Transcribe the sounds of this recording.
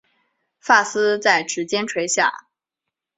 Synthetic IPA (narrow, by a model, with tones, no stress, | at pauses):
fa˥˩sɹ̩˥t͡sa˥˩ɪʈ͡ʂɻ̩˧˥t͡ɕjɛ˥nʈ͡ʂʰwe˧˥ɪɕja̰˥˩